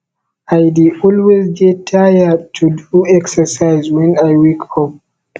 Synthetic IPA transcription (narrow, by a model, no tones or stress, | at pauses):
ʔajdiʔɔlwezd͡ʒɛtʰajadtʰuduɛksəsajzwɛ̃najwikʰɔp̚